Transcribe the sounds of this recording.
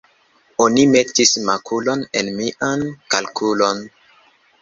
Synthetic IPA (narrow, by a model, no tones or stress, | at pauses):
onime̞tismakulo̞nenmiʔankalkʰulo̞n